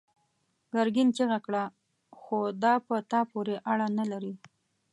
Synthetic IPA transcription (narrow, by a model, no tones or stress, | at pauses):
ɡaɾɡint͡ʃəɣakɽa | xod̪ɑpət̪ɑpoɾeʔaɽanalaɾi